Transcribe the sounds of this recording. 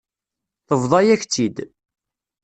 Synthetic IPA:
θəvðˤɑjæçt͡s̪ːid̪

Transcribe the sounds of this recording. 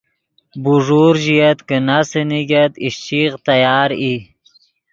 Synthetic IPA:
buʐuɾʒijat̪kənasəniɡat̪iʃt͡ʃiqt̪ajɑːɾi

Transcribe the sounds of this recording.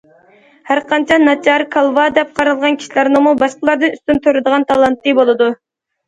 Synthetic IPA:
hæɾqʰɑnt͡ʃʰɛnɑt͡ʃʰɑɾkʰɑlˠvɑd̪ɛp̚qʰɑɾɑlˠʁɑnkʲi̥ʃilæɾnɨmubɑʃqəlˠɑɾd̪ɨnyst̪ynt̪ʰøɾɨd̪əʁɑnt̪ʰɑlˠɑnt̪ʰːɨbolˠɨd̪u

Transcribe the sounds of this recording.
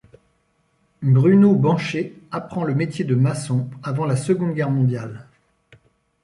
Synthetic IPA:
bʁynobɑ̃ʃeapχɑ̃ləmet̪jed̪əmasɔ̃avɑ̃lasəɡɔ̃d̪ɡʲɛʁmɔ̃d̪jal

